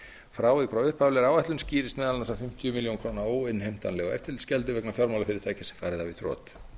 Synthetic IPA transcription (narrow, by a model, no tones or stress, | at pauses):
fɾaːwɪkʰɾawʏhpʰavlɪɛɾawaht̪ʏnsciːɾɪst̪mɛːðalnasafɪm̥t̪jʏmɪljonkʰɾoːnaoːwɪnːhejm̥t̪anlɛɣaɛ̰ft̪ɪɾlscɛlt̪̬ɪvɛknafjɔɾmawlafɪɾɪɾ̥θaːjcɪsɛ̥faːɾɪðaviθɾɔ̰ːt̪